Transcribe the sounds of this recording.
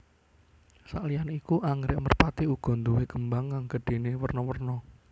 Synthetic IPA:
saʔlijanikuʔaŋɾɪʔmərpat̪iuɡ̥ɔ̤nd̪uweɡ̥əmbaŋkaŋɡ̥ə̤ɖ̥e̤newərnɔwərnɔ

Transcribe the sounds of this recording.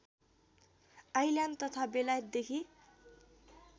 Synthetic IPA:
ajljant̪ʌt̪ʰabelajʌt̪̚d̪ekʰi

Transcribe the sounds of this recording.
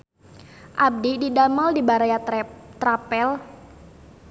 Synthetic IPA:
ʔab̚dididamaldibaɾajat̪ɾapɛl

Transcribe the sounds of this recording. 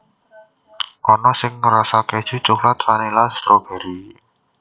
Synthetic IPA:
ʔɔnɔsɪŋːəɾasake̥ʒ̥ṳt͡ʃuklat̪fanilaslɔb̥ɛ̤ɾi

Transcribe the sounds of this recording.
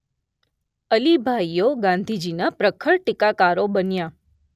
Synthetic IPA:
əlibʱaijoɡãnd̪ʱid͡ʒinapɾəkʰəɭʈɪkakaɾobənja

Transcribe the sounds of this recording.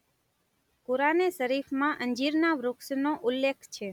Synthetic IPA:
puɾanesəɾifmãʔəɲd͡ʒiɾnaʋɾʊksnoʔulːekʰt͡ʃʰe

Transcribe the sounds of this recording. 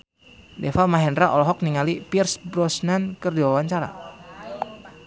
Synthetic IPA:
dɛfalmaɦɛndɾaʔɔlɔɦɔk̚niŋalipirsbɾɔsnankərdiwawaɲt͡ʃaɾa̰

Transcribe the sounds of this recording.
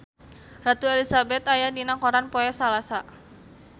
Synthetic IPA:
rat̪uelisabɛt̪ajadinakɔɾanpoɛsalasa

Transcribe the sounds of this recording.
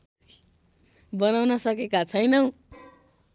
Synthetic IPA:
bʌnawnʌsʌkekat͡sʰʌjnʌ

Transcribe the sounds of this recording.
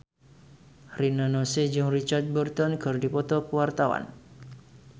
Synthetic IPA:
rinanɔsed͡ʒʊŋrit͡ʃart̪̚bərt̪ɔnkɨrdipɔt̪ɔkəwart̪awa̰n

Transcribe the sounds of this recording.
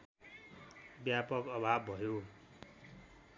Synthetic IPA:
bjapʌkʌbʱabːʱʌjo

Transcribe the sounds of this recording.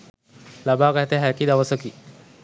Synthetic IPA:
labaɡat̪eɦɛkid̪aʋəsəki

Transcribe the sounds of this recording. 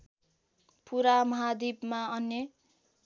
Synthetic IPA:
puɾamʌɦad̪ibmaʌnjʌ

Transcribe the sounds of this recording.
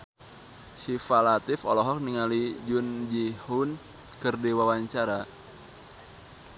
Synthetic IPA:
ʃifalat̪ɪfɔ̰lɔɦɔk̚niŋalid͡ʒund͡ʒihun | kərdiwawaɲt͡ʃaɾa

